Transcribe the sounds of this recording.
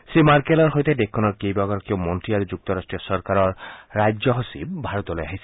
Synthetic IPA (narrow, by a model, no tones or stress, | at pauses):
simaɹkelɔɹɦojtedekʰːɔnɔɹkejbaɡɔɾɔkieomɔntɹiaɹud͡ʒuk̚t̪ɔɾasʈɹijɔsɔɹkaɹɔɹːajd͡ʒzɔɦosḭbbʱaɹɔt̪ɔlojaɦisɛ̥